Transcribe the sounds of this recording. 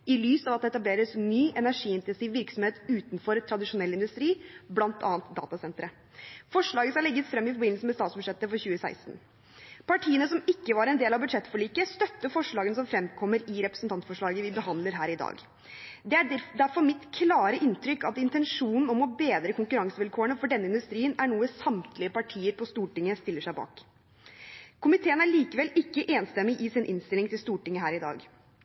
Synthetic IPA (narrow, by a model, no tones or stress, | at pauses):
ɪlyːsɑʋɑt̪d̪ɛt̪ɑbleːɾəsnyːʔɛnæɾʂiːɪnt̪ɛnsiːʋːɪɾksɔmheːt̪ʉːt̪nfɔɾt̪ʰɾɑd̪ɪʂʊnɛlːɪnd̪ʉst̪ɾiːblɑnt̪ʰɑ̰ːnt̪d̪ɑ̰ːt̪ɑsɛnt̪ɾə | fɔʂɭɑːɡəskɑɭɛɡːəsfɾɛmːɪfɔɾbɪnlsəmɛst̪ɑːt̪sbʉd̪ʂɛt̪ːəfɔɾçʉːəsæ̰ɪst̪n̩ | pʰɑʈʰiːənəsɔmɪkːəʋɑɾɛnd̪eːlɑʋbʉd̪ʂɛt̪ːfɔɭiːkəst̪œt̪ːəfɔʂɭɑːɡənəsɔmfɾɛmːkʰɔmːəɾɪɾɛpɾəsn̩t̪ʰɑnt̪fɔʂɭɑːɡəʋɪbəɦɑnd̪ləɾɦæːɾɪd̪ɑ̰ːɡ | d̪ɛæd̪æɾfɔɾmɪt̪kʰlɑːɾəʔɪnt̪ʰɾʏkːɑt̪ɪnt̪ɛnʂuːnn̩ɔmɔbeːd̪ɾəkʊŋkʉɾɑŋsəʋɪlkʰoːəɳəfɔɖɛnːəɪnd̪ʉst̪ɾiːənæɳuːəsɑmt̪ʰlɪəpɑʈʰiːəɾpʰɔst̪uːʈɪŋːəst̪ɪlːəʂæɪbɑ̰ːk | kʰʊmɪt̪ʰeːənæɭiːkəʋɛlɪkːəʔeːnst̪ɛmːɪʔɪsɪnʔɪnst̪ɪlɪŋt̪ɪlst̪uːʈɪŋːəɦæːɾɪd̪ɑ̰ːɡ